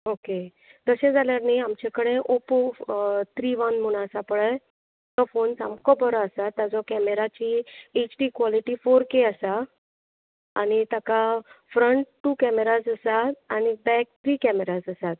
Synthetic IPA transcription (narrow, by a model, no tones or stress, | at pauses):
oke | t̪əsẽd͡zaljaɾneamt͡ɕẽkəɽẽʔopot̪ʰɾiʋanmuñasapəɭəj | t̪ɔfonsamkɔbʱəɾɔəsat̪ːad͡zɔkɛmeɾat͡ɕiet͡ɕʈiːkʋɔliʈifoɾkeəsa | añit̪akafɾəɳʈʈːuːkɛmeɾasəsat̪añibɛk̚t̪ʰɾiːkɛmeɾasəsat̪̚